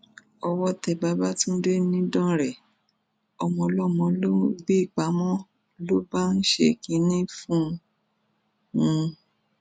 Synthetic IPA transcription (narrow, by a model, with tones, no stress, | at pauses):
ɔ˧wɔ˦tɛ˧˨ba˨˧˦ba˦tũ˦n̩˦de˦nĩ˦dɔ̃˦ɾɛ˨ | ɔ˧mɔ̃˧lɔ˦˨mɔ̃˧lo˦ɡ͡be˦i˦˨k͡pa˨˦mɔ̃˦ | lo˦ba˦n̩˦ʃḛ˧˦ki˨˦nĩ˦fũ˦ | ũ˧